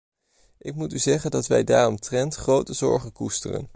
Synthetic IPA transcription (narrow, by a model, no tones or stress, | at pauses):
ʔɪk̚mutyzɛχəndɑtʋɛ̰jdaːrɔmtrɛntχrowtəzɔ̰ɹχənkustərə̰n